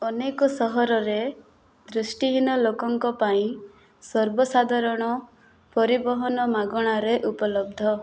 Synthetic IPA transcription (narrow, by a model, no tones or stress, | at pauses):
ɔnekɔsɔɦɔɾɔɾe | d̪ɾusʈiɦinɔlokɔŋkɔpãĩ | sɔɾbɔsad̪ʱaɾɔɽ̃ɔ | pɔɾibɔɦɔnɔmaɡɔɽ̃aɾeʔupɔlɔb̚d̪ʱɔ